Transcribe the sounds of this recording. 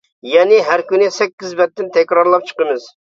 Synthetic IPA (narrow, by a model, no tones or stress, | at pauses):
jɛnɪɦæɾkʲynɪsɛkʲːizbɛt̪ːɪnt̪ʰɛkʲɾɑɾlˠɑp̚t͡ʃʰə̥qəmɨz̥